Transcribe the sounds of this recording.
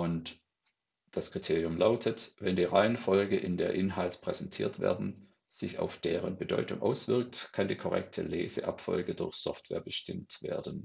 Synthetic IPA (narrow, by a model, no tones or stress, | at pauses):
ʔʊnt | d̥askʁ̥itʰeːʁijʊmlaʊtʰətvɛndiːʁaɪənfɔlɡəʔɪndeːɐʔɪnɦaltpʁ̥ɛz̥ɛntʰiːɐtv̥ḛːɐdn̩ | z̥ɪça̰ʊfd̥eːʁənbədɔʏtʊŋʔa̰ʊsv̥ɪɐk̚tkʰandiːkʰɔʁɛ̰k̚tʰəleːzəʔapfɔ̰lɡədʊɐçsɔ̰ftv̥ɛ̰ːɐbəʃtɪmtv̥ḛːɐdn̩